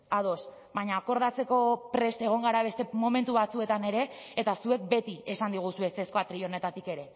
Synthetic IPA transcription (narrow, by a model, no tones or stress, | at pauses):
að̞o̞s | baɲaːko̞ɾðat͡se̞ko̞pɾe̞st̪e̞ɣ̞o̞ŋɡaɾaβe̞st̪e̞mo̞me̞nt̪uβat͡sue̞t̪ane̞ɾe̞ːt̪asue̞k̚be̞t̪iesand̪iɣ̞usue̞seskoat̪ɾio̞ne̞t̪at̪ike̞ɾe̞